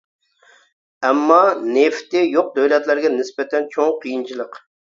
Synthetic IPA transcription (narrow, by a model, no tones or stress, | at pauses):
ɛmːɑneft̪ɪjoq̚d̪øwlɛt̪læɾɡʲɛnɪsbɛt̪ʰɛnt͡ʃʰoŋqʰijint͡ʃʰilˠəq